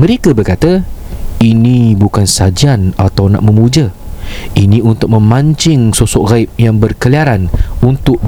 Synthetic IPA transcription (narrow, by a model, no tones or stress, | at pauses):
mə̃ɾekabərkat̪a | inibukansad͡ʒianat̪awna̰ʔmə̃mud͡ʒa | iniunt̪ʊk̚mə̃mãɲt͡ʃɪŋsosɔʔɣaip̚jaŋbərkəliaɾanunt̪ʊk̚